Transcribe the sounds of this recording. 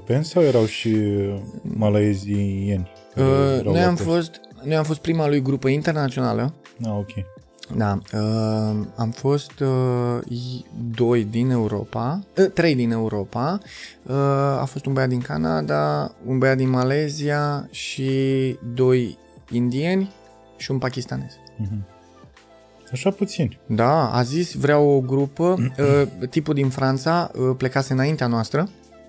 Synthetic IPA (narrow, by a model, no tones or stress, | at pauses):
pensawjeɾawʃi | malaezijenʲ | ɾnojamfo̞st̪ | nojamfo̞s̬t̪̚pɾimalujɡɾupəint̪e̞rnat̪sio̞na̰lə | aokʲʰej | d̪aə | amfo̞st̪ | d̪o̞jd̪ine̞uɾo̞̰paət̪ɾe̞jd̪ine̞uɾo̞paəa̰fo̞st̪unbəjad̪iŋka̰na̰d̪aunbəjad̪inmale̞ziaʃid̪o̞j | ind̪ie̞nʲ | ʃiunpakʲist̪ane̞z̥̩ɦ̩ | aʃaput̪sind̪aa̰zisvɾeawoɡɾupə | t̪ipud̪infɾant̪saəple̞kaseɨnaint̪eanoast̪ɾə